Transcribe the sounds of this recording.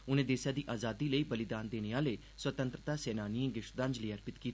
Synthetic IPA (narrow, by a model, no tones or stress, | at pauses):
ʊnẽːd̪eːsjaːd̪iːʔaːzaːd̪iːləiːbəlɪd̪aːnd̪eːneːaːleː | swət̪ə̃nt̪ɾət̪aːsɛːnaːniẽːɡɪʃd̪ãːnd͡ʒliːəɾpɪt̪kiːt̪ː